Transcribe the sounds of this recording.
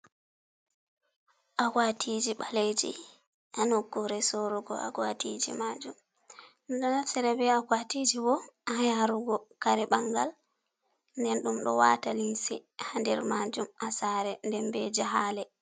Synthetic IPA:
ʔawatʰid͡ʒiɓaled͡ʒḭ | ʔanokːuɾɛsoɾuɡɔ̰a̰ɡwatid͡ʒḭmad͡ʒum | nɗɔnafsɛɾɛbɛakwatid͡ʒibɔʔajaɾuɡɔkaɾɛɓaŋɡal | ndɛnɗumɗɔ̰wa̰talinsihandɛɾmad͡ʒumʔasaɾɛndɛnbɛd͡ʒaɦaːlɛ

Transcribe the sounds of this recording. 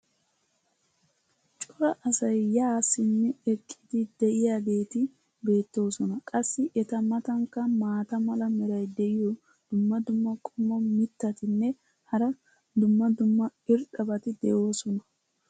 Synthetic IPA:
t͡ʃʼʊɾɐʔɐsɐjːaːsːɪnːɛɛkʼːɪd̪ɪd̪ɛʔɪjaːbe̞ːt̪ɪ | be̞ːt̪ːo̞ːsɔnɐkʼɐsːɪʔɛt̪ɐmɐt̪ɐŋkːɐmaːt̪ɐmɐlɐmɛɾɐjd̪ɛʔɪjɔ | d̪̥ʊmːɐd̪ʊmːɐkʼɔmːɐmɪt̪ːɐt̪ɪnːɛ | hɐɾɐ | d̪ʊmːɐd̪ʊmːɐɪɾt̪ʼɐbɐt̪ɪd̪ɛjo̞ːsɔnɐ

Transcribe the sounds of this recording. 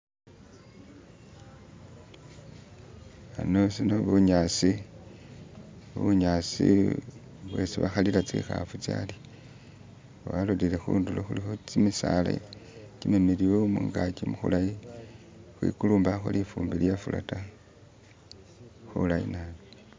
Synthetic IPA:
ano̞sinoβuɲasi | βuɲasḭ | βwesiβaxalilat͡siḭxa̰fut͡sja̰li | aβalulilexuːnduloxulixot͡simisala̰ | cinemiliwemuŋɡakimuxulaji | xwḭkuluːmbaxolifuːmbiljafula̰ta | xulajinalo

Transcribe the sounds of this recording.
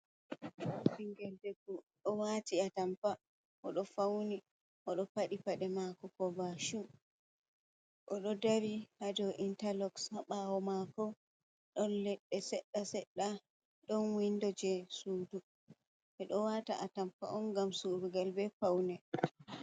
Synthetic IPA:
biŋɡɛldɛkuɗɔwatiatampa | ʔɔɗɔfawni | ʔɔɗɔpaɗipaɗɛmakɔkɔbaʃu | ʔɔɗɔdaɾihad͡ʒɔʔintalɔkshaɓawɔmakɔ | ɗɔnlɛɗːɛsɛɗːasɛɗːa | ɗɔnwindɔd͡ʒɛsuːdu | ʔɛɗɔwata̰ʔatampa̰ʔɔnɡamsuɾuɡalbɛfawnɛ

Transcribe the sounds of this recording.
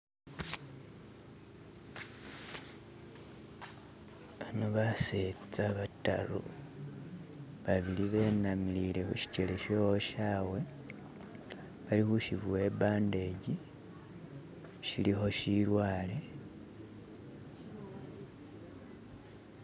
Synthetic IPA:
βanoβaset͡saβata̰lo̰ | βaβiliβe̞ːnamilile̞xṵʃi̥ce̞le̞ʃowoʃaːwe̞ | βalixuʃiβuwe̞ːbaːnde̞ɟi | ʃilixo̞ʃiɾwaːle̞

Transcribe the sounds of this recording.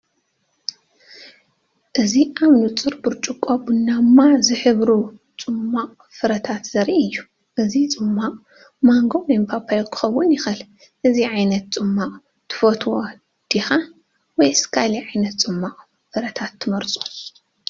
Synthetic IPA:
ʔɨziʔaβnut͡sʼɨɾbɨɾt͡ʃʼukʼobɨnːamːazɨħɨβɾut͡sʼɨmːaqʼ | fɨɾɐt̪ʰat̪z̥ɐɾʔiɨjːu | ʔɨzit͡sʼɨmːaqʼ | maŋɡoempʰapʰajokʰɨ̥xɐwːʊnjɪxɨl | ʔɨziʕajnɐt̪̚t͡sʼɨmːaqʼ | t̪ʰɨ̥fot̪ʰwo | d̪̥ixa | wɔjskʰaliʕajnɐt̪t͡sʼɨmːaqʼ | fɨɾɐt̪ʰat̪ʰːɨmɐɾt͡sʼu̥

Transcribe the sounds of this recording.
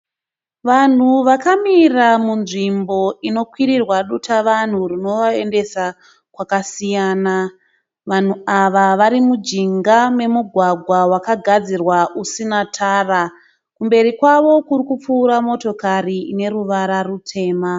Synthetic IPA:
ʋan̤uʋakamiramunʐimbo̞ino̞kwirirwaɗutʰaʋan̤urino̞ʋae̞nde̞sa | kwakasijaːna | ʋan̤uaʋaʋaɾimud͡ʒiŋɡame̞muɡʱwaɡʱwawakaɡʱad͡zirwaʔusinatʰaːra | kumbe̞ɾikwaʋo̞kurikup͡fuːɾamo̞to̞kariːne̞ɾuʋaɾarutʰe̞ːma

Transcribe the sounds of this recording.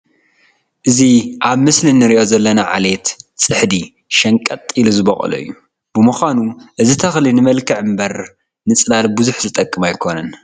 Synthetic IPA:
ʔɨziʔaβmɨslinɨɾiʔo̞zɐlːɐnaʕa̰let̪sʼɨħd̪i | ʃɐŋkʼɐt̪ʼːiluzɨβɐχʼɐ̰lɐ̰jːu | b̥ɨmuxʷanuʔɨzit̪ʰɐxlinɨmɐlkʰɐʕɨmbɐɾ | nɨt͡sʼlalbɨzuħzɨt̪ʼɐkʼːɨmajkʰo̞nɐn

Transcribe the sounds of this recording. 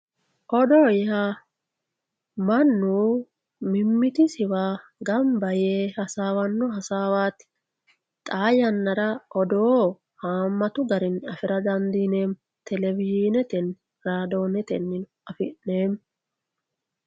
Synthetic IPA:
ʔɔd̪oːjha | mɐnːuː | mɪmːɪt̪ɪsɪwaːɡɐmbɐjeːhɐsaːwɐnːɔɦɐsaːwaːt̪ɪ̥ | t̪ʼaːjɐnːɐɾɐʔɔd̪oː | haːmːɐt̪ʊɡɐɾɪnɐfɪɾɐd̪ɐnd̪iːneːm | t̪ʰɛlɛvɪd͡ʒiːnɛt̪ɛn | ɾaːd̪o̞ːnɛt̪ɛ̰nːɪn | ɐfɪʔneːm

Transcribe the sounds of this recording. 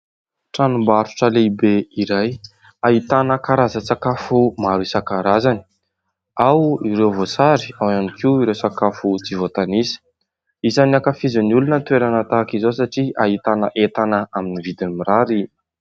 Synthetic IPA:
ʈ͡ʂanumbaɾu̥ʈ͡ʂəleibeiɾaj | aɦit̪anəkaɾazət͡sakafumaɾisakaɾazani̥ | awiɾewvosaɾiawanikʰiuiɾewsakafut͡sivot̪anisi̥ | izaniakafizaniulunət̪ueɾanat̪aːkizosaʈ͡ʂiaɦit̪anəʔet̪anəaminivid̪inimiɾaɾi

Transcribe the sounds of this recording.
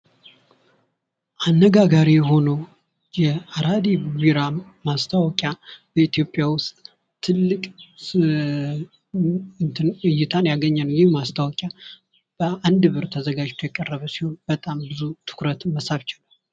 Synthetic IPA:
ʔanːəɡaɡaɾijɦo̞no | jɛaɾad̪ibwiɾamast̪ʰawɔkʼjab̥əit̪ʰjo̞pʼjawʊst̪ʼ | t̪ʰːɨlːɨkʼ | ɨjːɪt̪ʰanjaɡəɲːanjɛhmast̪ʰawɔkʼja | b̥əand̪ɨβɨɾt̪ʰəzəɡad͡ʒt̪ʰjɛkʼərːəβəsiho̞nb̥ət̪ʼambɨzut̪ʰɨ̥kɾət̪məsaβt͡ʃɪləm

